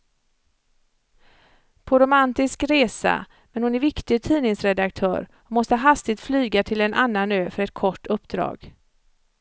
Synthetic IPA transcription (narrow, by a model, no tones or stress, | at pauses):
pʰɔɾʊmant̪ɪskɾeːsa̰ | mɛnhʊnæɾvɪkt̪ɪɡt̪ʰiːnɪŋsɾɛd̪ak̚t̪ʰœ̰ːɾ | ɔmɔst̪əɦast̪ɪt̪flyːɡat̪ʰɪlɛnʔanːanøːfœɾɛt̪̚kʰɔʈːɵpːd̪ɾɑ̰ːɡ